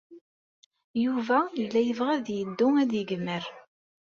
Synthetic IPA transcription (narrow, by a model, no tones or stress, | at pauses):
juvæjəlːæjəvʁæðjəd̪ːʊŋæd̪jəɡmːəɾ